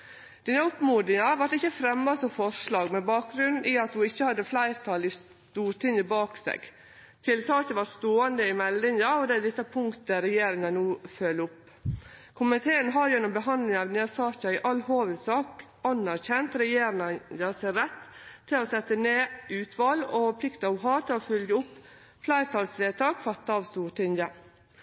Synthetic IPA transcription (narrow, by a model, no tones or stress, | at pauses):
d̪̥iːnəʊpmuːd̪ɾɪŋɑʋɑʈɪçːəfɾɛmːɑsɔmfɔʂɭɑːɡmɛbɑːk̚ɡɾʉnʔiːɑt̪hʊɪçːəhɑd̪ːəflæɪɾt̪ʰɑlɪs | t̪uːʈʰɪŋəbɑːksḛːɡ | t̪ʰɪlt̪ʰɑːçəʋɑɾst̪oːənd̪əɪmɛlɪŋɑɔd̪ɛæd̪ɛt̪ːɑpʰʊŋkt̪əɾɛjeːɾɪŋɑnuːfœlːʊpː | kʰʊmənt̪ʰeːənɦɑːɾjɛnʊmbəɦɑnd̪lɪŋɑʋneːsɑːçɑɪʔɑlhoːʋəd̪sɑːk | ɑnːæɾçɛnt̪ɾɛjeːɾɪŋəjəsɛɾɛt̪ʰːɪlɔsɛt̪ːəneːʉːt̪ʰʋɑlɔfɔpʰlɪkt̪ɑɔʋɦɑːt̪ʰɪlɔfʏljəʊpː | flæɪt̪ʰɑːlsleːt̪ʰɑːkfɑt̪ːɑɑʋst̪uːʈʰɪŋjə